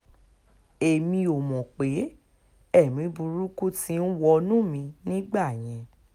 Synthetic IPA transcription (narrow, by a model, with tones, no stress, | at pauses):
e˨mĩ˧o˨mɔ̃˨k͡pe˨˦ | ɛ˦˨mĩ˨˦bu˧ɾu˦ku˦tĩ˧˦n̩˦wɔ˧nũ˦mĩ˧nĩ˦ɡ͡ba˦˨j̃ɛ̃˧